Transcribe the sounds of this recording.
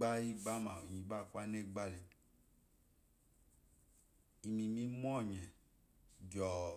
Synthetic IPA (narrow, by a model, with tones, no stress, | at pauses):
a˦i˦ɡ͡ba˦mã˨o˨ɲĩ˨ba˦˨kʷa˦ne˦˨ɡ͡ba˦li˨ | i˨mĩ˨mĩ˦m˦ɔ̃˦˨ɲɛ̃˨ | d͡ʒɔ˨